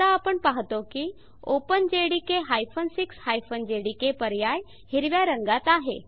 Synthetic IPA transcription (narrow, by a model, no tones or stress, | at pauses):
aːpəɳpaɦt̪oki | opənd͡ʑeɽikeɦajfʰənsikshajfənd͡ʑeɽikepəɾjaj | hiɾʋjaɾəŋɡat̪aɦḛ